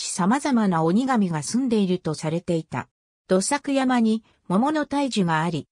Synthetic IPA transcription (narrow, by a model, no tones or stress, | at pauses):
i̥samazamanao̞ɲ̟iɡamʲiɡasɨ̃nd̪e̞iɾɯ̟t̪o̞saɾe̞t̪e̞it̪a̰ | d̪̥o̞sakɯ̟jamaɲ̟i | mo̞mo̞no̞t̪aiʑɨɡaːɾʲi